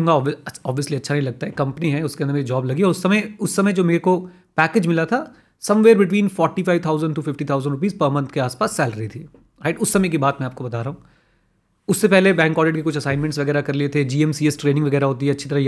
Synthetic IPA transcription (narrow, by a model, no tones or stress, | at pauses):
ʊ̃ŋɡaɔːəɔːbʋijəsliɐtːʃʰanɐɦĩlɐɡ̚t̪aɦɛkɐ̃mpniɦɛʊskeɐnd̪ɾmeːɾid͡ʒɔːblɐɡiɔːɾʊsːɐmẽʊsːɐmɛ̃d͡ʒoːmeːɾeko | pɛːkeːd͡ʒmɪlat̪ʰa | sɐ̃mʋeːɾbɪʈʋiːnfɔːɾʈifaːɪʋt̪ʰaːʊzə̃ɳɖʈufɪfʈit̪ʰaːʊzə̃ɳɾʊp̬iːzpɐɾmɐ̃nt̪ʰkeaːspaːsːɛːlɾɐɦit̪ʰiː | ɾaɪʈʊsːɐmɛ̃k̬ibaːt̪̚mɛ̃aːp̚kobɐt̪aːɾɐɦũː | ʊsːepɛɦlebɛ̃ːŋkɔːɖɪʈkekʊt͡ʃʰɐsaːɪnmɛ̃ɳʈsʋɐɡɛːɾakɐɾliet̪ʰed͡ʒiːɛmsiɛsʈɾeːnɪ̃ŋʋɐɡɛːɾaɦoːt̪̬iɦɛɐtːʃʰi̥t̪ɐɾaj